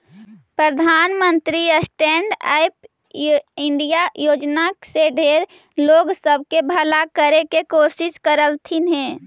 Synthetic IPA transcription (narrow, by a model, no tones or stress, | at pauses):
pɾəd̪ʱaːnmənt̪ɾiəsʈeɳɖa̰jp̚ | ɪɳɖijajoːd͡ʒnaseɖʱeɾ | loːɡsəbʱkebʱəlakəɾekekosiskəɾəlt̪ʰinɦe